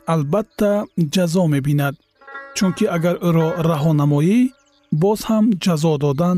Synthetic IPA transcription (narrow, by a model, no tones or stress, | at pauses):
albat̪ʰːad͡ʒazɔme̞binad̪̚ | t͡ʃʰuŋkʰiaɡaɾuɾɔɾaɦɔnamɔi | bɔz̥hamd͡ʒazɔd̪ɔd̪an